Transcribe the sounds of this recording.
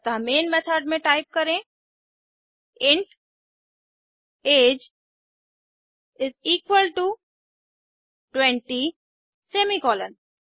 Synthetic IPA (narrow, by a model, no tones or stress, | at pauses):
t̪amẽːnmɛt̪ʰəɾɖmẽʈaɪp̚kɐɾẽ | ɪ̃ɳʈ | eːd͡ʒ | ɪziːkwəlʈu | ʈwɛ̃ɳʈi | seːmikɔːlən